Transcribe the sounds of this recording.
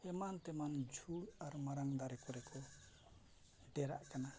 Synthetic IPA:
ɛmant̪ɛmand͡ʒʱuɽaɾmaɾaŋd̪aɾɛkɔɾɛkɔ | ɖɛɾa̰ʔkana

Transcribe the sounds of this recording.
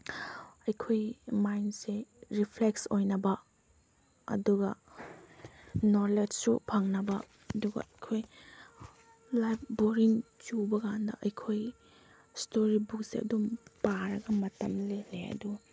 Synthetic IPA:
ɐjkʰojmajnseɾipʰleksojnɐbɐ | ɐ̰duɡɐ | noɾled͡ʒsupʰɐŋnɐbɐ | ɐduɡɐ̰ɐjkʰoj | lajpʰboɾint͡ʃubɐɡandɐ̰ʔɐjkʰoj | stoɾibuksḛɐ̰dumpaɾɐɡɐmɐtɐmleleɐ̰du

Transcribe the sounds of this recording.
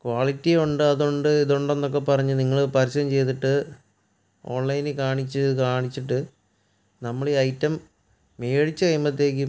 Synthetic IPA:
kwaːɭitːioɳɖɨɐðoɳɖɨiðoɳɖe̞nːok̬ːe̞pɐrɐɲːuniŋːɐɭɨpɐɾisɐjɐmt͡ɕe̞jt̪̬iʈːɨ | o̞ːɳlɐjnɨkaːɳit͡ɕːɨkaːɳit͡ɕːiʈːɨ | nɐmːɐɭeɐjtːɐmː | eːɻit͡ɕːɨkɐjmɐt̪̬ːe̞ːkʲːɨ

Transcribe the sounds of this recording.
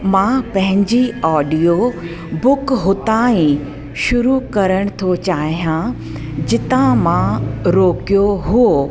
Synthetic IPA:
mãːpɐ̃ɦɪ̃ɲd͡ʑiɔːɖijo | bʊkɦʊt̪ãːĩ | ʃʊɾukɐɾəɽ̃t̪ʰot͡ɕaːɦijã | d͡ʑɪt̪ãmãɾoːkijoɦʊo

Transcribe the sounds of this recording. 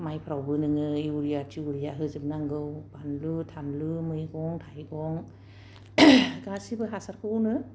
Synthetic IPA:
majpʰɾawbɯnɯŋɯiuɾijatʰiuɾijaɦɯzɯbnaŋɡɯwbanlutʰanlɯmɯjɡɔŋtʰajɡɔŋ | ɡasibɯɦasaɾkʰɯnɯ

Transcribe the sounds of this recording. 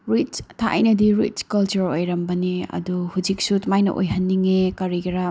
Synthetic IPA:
ɾit͡ʃtʰaʔɐ̰jnɐdiɾit͡ʃkɐlt͡ʃuɾojɾɐmbɐniɐ̰duhud͡ʒik̚sutmajnɐ̰ʔo̰jɦɐnːiŋekɐɾiɡiɾɐ

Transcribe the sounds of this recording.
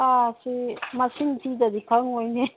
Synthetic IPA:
asimasiŋtʰidad̪ikʰaŋojne

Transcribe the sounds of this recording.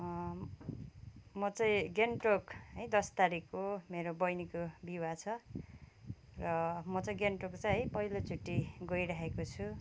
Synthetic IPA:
mʌt͡sʌĩɡenʈokɦʌjd̪ʌst̪aɾikːomeɾobʌjnikobiwat͡sʰʌ | rʌmʌt͡sʌĩɡenʈokt͡sʌjɦʌjpʌilot͡suʈːiɡʌjɾaɦekot͡sʰu

